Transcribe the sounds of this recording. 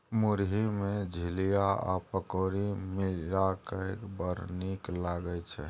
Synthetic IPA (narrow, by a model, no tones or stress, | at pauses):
muɾɦimed͡ʒʱilijaa̰pəkoɾimilakəkbəɾniklaɡət͡ʃʰɛ̰